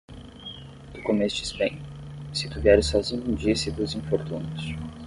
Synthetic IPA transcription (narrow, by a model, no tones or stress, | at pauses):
d̪̥ukomesʊd͡ʒispḛ̃ɲʊsɪt̪uviɛɾɪsɔzĩɲʊũd͡ʒiɐsɪd̪uzĩfoɾt̪ũnʊs